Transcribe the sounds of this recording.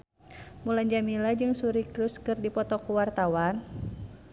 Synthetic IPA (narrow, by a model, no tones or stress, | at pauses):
mulaɲd͡ʒamilad͡ʒɨŋsuɾikɾuskɨrdipɔt̪ɔkuwart̪awan